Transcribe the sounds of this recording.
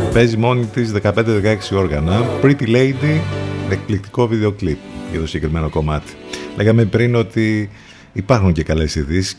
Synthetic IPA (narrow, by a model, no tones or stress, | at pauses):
pe̞zimo̞nit̪izðe̞kɐpe̞nd̪eðe̞kɐe̞ksio̞ɾɣɐnɐpɾit̪ilejd̪imek̚plik̚t̪i̥ko̞viðe̞o̞klip̚ʝɐ̰ðo̞siɲɟe̞kɾime̞no̞ko̞mɐt̪i̥lʔe̞ɣɐme̞pɾino̞t̪iː | pɐɾxuɲce̞kɐle̞siðisi̥s